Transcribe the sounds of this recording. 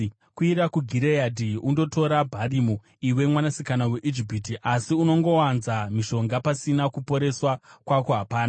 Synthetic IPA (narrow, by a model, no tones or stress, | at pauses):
kuiɾakuɡʱiɾejadʱiundo̞to̞ɾabʱarimu | iwe̞mwanasikanawe̞ʔid͡ʒipitiʔasiuno̞ŋɡo̞wanzamiʃo̞ŋɡapasinakupo̞ɾe̞swakwakoɦapaːna